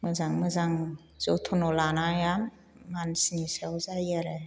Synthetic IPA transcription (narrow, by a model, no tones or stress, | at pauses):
mɯzaŋmɯzaŋ | z̥otʰɔnɔlanajamː | ansinisawzajaɾe